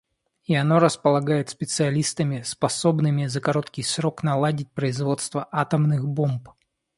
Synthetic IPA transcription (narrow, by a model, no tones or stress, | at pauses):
iɐnoɾəspəlˠɐɡajɪt̪spʲɪt̪sɨɐlʲist̪əmʲɪspɐsobnɨmʲɪzəkɐɾot̪kʲɪjsɾoknɐlˠadʲɪt̚ʲpɾəɪzvo̞t̪st̪vəʔat̪əmnɨxbomp